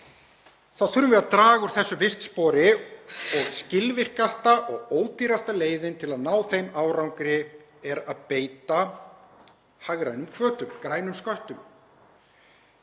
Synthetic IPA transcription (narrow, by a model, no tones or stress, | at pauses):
θaðθʏɾʏvɛðat̪ɾaːɣʏɾ̥θɛsːʏvɪst̪spɔːɾɪɔɣscɪlvɪr̥kast̪aʔɔɣoːwt̪iːɾast̪aleːjðɪnt̪ʰɪlaðnaːwθejmaːwɾawŋkɾɪ | ɛɾaðpeːjt̪a | haɣɾajnʏmkʰvœːt̪ʏmkɾaːjnʏmskœht̪ʏm